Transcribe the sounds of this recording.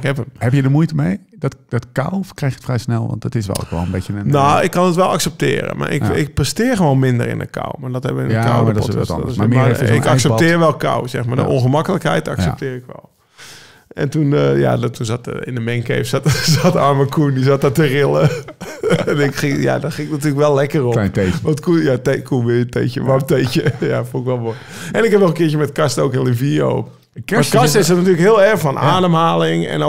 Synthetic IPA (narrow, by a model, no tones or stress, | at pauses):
ɪkhɛpəmhɛbjədəmujtəmejdɔtd̥ɔtka̰wfkrɛjxtətfrɛjsnɛlˠʋɑ̰nttɪsʋɛ̰lˠʋɛlˠənbɪənoɪkːɔnətʋɛlˠaksɛp̚tɪ̰ːrə̰mʔa̰rʔɪ̰kɪk̚prəstɪːrxəʋoːnmɪndə̰rɪ̰nə̰kʰa̰wmadɔthɛbəɪnəka̰wɔtsamaɪ̰kaksɛptɪːrʋɛlˠka̰wsɛxmadə̰ʔonxəmakəlˠəkhɛ̰jta̰ksɛptɪːrɪkʋɛ̰lˠ | ɛ̰ntunja̰tunzatə̰ɪ̰ndəmɛŋkḛːfsatsatəaːməkʰundizatətərɪlˠə | ɛnɪkxɪŋja̰dɔxɪŋɪknatyːləkʋɛlˠlɛkəropʋɔntkujatekʰuʋɪjəteːçə̰ʋɔteːçəja̰fulˠɪkʋɛlˠʋo | ɛnɪkhɛpnɔlənkɪətjəmɛtkastowkɪnlivjiəo̰ːp | kastɪsdɔtnatyələkɦɪəlˠɛrxfɔnʔa̰ːdəmhaːlɪŋɛ̰no